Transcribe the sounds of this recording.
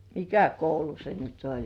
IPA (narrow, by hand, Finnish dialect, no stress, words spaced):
mikæ koulu se nyt olʲ